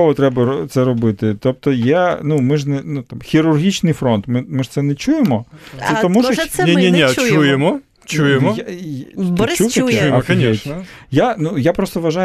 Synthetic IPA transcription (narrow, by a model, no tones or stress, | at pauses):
ɔɦɔt̪ɾɛbɐt̪sɛɾɔbɪt̪ɪt̪ɔp̚t̪ɔjɛnumɪʒnɛnut̪amxʲiɾʊrɦʲit͡ʃnɪjfɾɔnt̪mɪmɪʒ̥t̪sɛnɛt͡ʃujemɔsɛt̪ɔmuʃniinʲit͡ʃujemɔ | t͡ʃujemɔajt͡ʃuw̪ɛjkɐijanujapɾɔst̪ɔʋɐʒaj